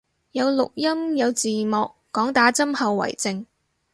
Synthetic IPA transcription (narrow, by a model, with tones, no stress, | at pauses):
jɐ˨˧wlʊ˨k̚jɐ˥mjɐ˨˧wt͡siː˨mɔː˨kːɔː˨˥ŋt̪aː˨˥t͡sɐ˥mhɐ˨˧wːɐ̰˨˩jt͡sɪ˧ŋ